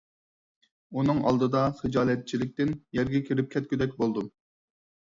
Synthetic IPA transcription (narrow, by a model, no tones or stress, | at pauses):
unɨŋɑ̰lˠd̪ɨd̪ɑχɨd͡ʒɑːlˠɛt̪̚t͡ʃʰilɪk̚ʲt̪ɪnjɛɾɡʲɛkʲʰiɾɪp̚kʲʰɛt̪̚kʲʰyd̪ɛk̚ʲbolˠd̪u